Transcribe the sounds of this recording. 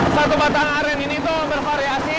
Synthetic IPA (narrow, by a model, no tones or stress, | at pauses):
sat̪ubat̪aŋaɾɛninit̪ubərfaɾiasi